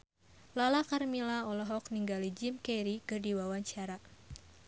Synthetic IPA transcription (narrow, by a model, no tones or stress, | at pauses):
lalakarmilaɔlɔɦɔk̚niŋɡalid͡ʒɪmkɛɾikɨrdiwawaɲt͡ʃaɾa